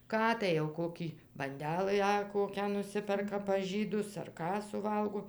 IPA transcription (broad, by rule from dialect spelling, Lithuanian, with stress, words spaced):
ˈkɑː tɐɪ jɛʊ ˈkoːkʲiː bɐnʲˈdʲæːlˠɨ ɐ ˈkoːkʲæː nʊˈsʲɪpʲɛrkɐ pɐs ˈʒʲiːdʊs ɐr ˈkɑː sʊˈʋɐlˠɡoː